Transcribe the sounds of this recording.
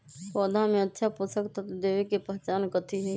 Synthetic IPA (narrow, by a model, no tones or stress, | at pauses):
sɔːd̪ʱãmẽətːʃʰapʊsəkt̪at̪d̪eːʋekepəɦt͡ʃaːnkət̪ʰiɦɛ